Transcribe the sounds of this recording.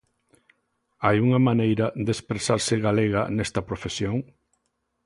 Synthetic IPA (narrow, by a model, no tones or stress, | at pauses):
ajuŋɐmanejɾɐd̪espɾesaɾsɪɣaleɣanɛst̪ɐpɾofesjoŋ